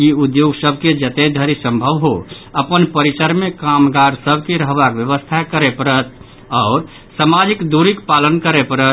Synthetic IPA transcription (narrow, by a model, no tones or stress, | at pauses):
jiud̪joɡsəbʱked͡ʒət̪ed̪ʱəɾisə̃mbʱəʋɦoəpənpəɾit͡ʃəɾmekamɡaɾsəbʱkeɾəɦbakʋjəʋəst̪ʰakəɾepəɾət̪ | ɔʊɾ | samad͡ʒikd̪uɾikpalənkəɾepəɾə